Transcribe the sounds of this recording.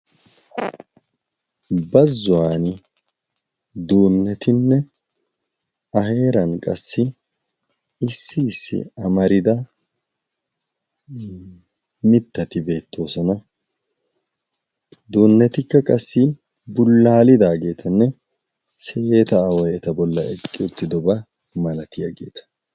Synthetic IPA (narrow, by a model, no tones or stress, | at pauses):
bɐzːʊwaːnɪ | d̪oːnːɛt̪ɪnːɛ | ɐɦe̞ːɾɐnkʼɐ̰sːɪ | ɪsːɪːsːɪ̰ɐmɐɾɪd̪ɐ | mɪt̪ːɐt̪ɪbe̞ːt̪ːo̞ːsɔnɐ | d̪oːnːɛt̪ɪkːɐkʼɐsːɪ | bʊlːaːlɪd̪aːɡe̞ːt̪ʰɐnːɛ | seːt̪ɐːwɔjɛt̪ɐbɔlːɐɛkʼːɪʊt̪ːɪd̪ɔbɐ | mɐlɐt̪ɪjɐɡe̞ːt̪ɐ̥